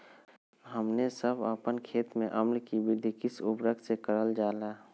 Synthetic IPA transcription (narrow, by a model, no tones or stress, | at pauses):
ɦəmnesəbəpənkʰeːt̪mẽʔəmlkibɪd̪ʱikɪsʊbɾək̪̚sekəɾəld͡ʒaːlaː